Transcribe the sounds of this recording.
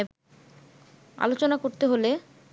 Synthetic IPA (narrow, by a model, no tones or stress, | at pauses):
a̰lot͡ɕonakoɾt̪eɦole